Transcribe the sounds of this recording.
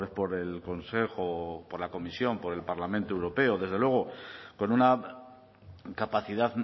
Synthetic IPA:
ɾespo̞ɾelko̞nse̞xopoɾlako̞misjo̞mpo̞ɾe̞lpaɾlamẽnt̪oewɾo̞pe̞oðe̞zðelwe̞ɣ̞o̞ko̞nuna | kapaθiðað

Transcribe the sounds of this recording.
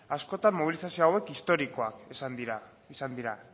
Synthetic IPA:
asko̞t̪ammoβ̞ilisasioawe̞kist̪o̞ɾiko̞a̰kesand̪iɾa | isand̪iɾa̰

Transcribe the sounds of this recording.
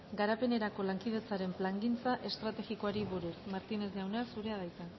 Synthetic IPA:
ɡaɾape̞ne̞ɾako̞laŋkið̞e̞t͡saɾe̞mplaŋɡint͡saʔe̞st̪ɾat̪e̞ɣiko̞aɾiβuɾusmaɾt̪ine̞zawneasuɾe̞aðajt̪a

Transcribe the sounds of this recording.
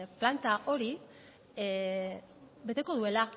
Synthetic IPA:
plant̪aʔo̞ɾi | be̞t̪e̞ko̞ð̞ue̞la

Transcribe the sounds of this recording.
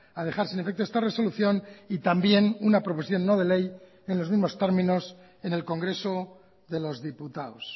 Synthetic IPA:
að̞e̞xaɾsine̞fe̞k̚t̪oest̪are̞so̞luθjo̞nit̪ambje̞nunapɾo̞pos̬θjo̞nːo̞ð̞e̞le̞j | e̞nlo̞zmizmo̞st̪e̞ɾmĩno̞s | e̞ne̞lko̞ŋɡɾe̞so̞ | ðe̞lo̞zðiput̪aos

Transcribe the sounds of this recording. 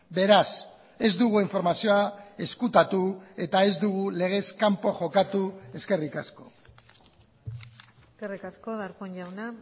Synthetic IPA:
be̞ɾas | e̞zd̪uɣuiɱfo̞ɾmasioae̞skut̪at̪ue̞t̪ae̞zd̪uɣ̞ule̞ɣ̞e̞skampo̞ʝo̞kat̪ue̞ske̞rikasko̞ | eskerikaskoðaɾkonʝawna

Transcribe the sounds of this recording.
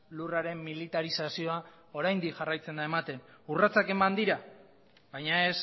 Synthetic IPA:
luraɾe̞mːilit̪aɾisasio̞a | o̞ɾajnd̪ikʝarajt͡se̞nd̪ae̞mat̪e̞nurat͡sake̞mand̪iɾa | bajɲae̞s

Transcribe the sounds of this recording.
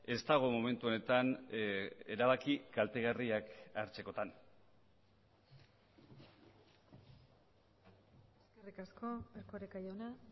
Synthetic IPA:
e̞st̪aɣ̞o̞mome̞nt̪uone̞t̪an | e̞ɾaβ̞akikalt̪e̞ɣariakaɾt͡se̞ko̞t̪an | eskerikasko̞eɾkoɾekajona

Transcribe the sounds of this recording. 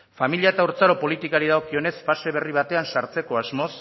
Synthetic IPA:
familiaet̪auɾt͡saɾo̞po̞lit̪ikaɾiðaɣo̞kio̞ne̞sfase̞β̞e̞riβ̞at̪e̞ansaɾt͡se̞ko̞azmo̞s

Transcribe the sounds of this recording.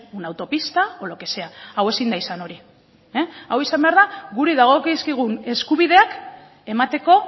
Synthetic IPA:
unawt̪o̞pist̪ao̞lo̞ke̞se̞aawe̞sind̪aisano̞ɾi | eawisambe̞aɾðaɣuɾiðaɣ̞o̞kiskiɣ̞une̞skuβiðe̞ak | e̞mat̪e̞ko̞

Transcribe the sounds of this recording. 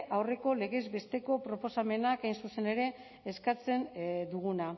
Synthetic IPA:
ʔawre̞ko̞le̞ɣezbe̞st̪e̞ko̞pɾo̞po̞same̞nakajnsuse̞ne̞ɾe̞ː | skat͡se̞nd̪uɣuna

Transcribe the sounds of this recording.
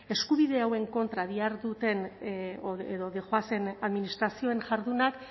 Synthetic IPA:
e̞skuβiðe̞awe̞ŋko̞nt̪ɾaðiaɾðut̪e̞n | eðoðeʝoase̞naðminist̪ɾasio̞e̞ŋʝaɾðunak

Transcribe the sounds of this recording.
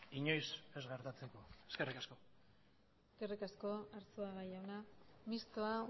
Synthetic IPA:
iɲo̞jse̞zɣeɾt̪at͡sekoeskerikasko̞ | eske̞rikasko̞aɾt͡suaɣajawnamist̪oa

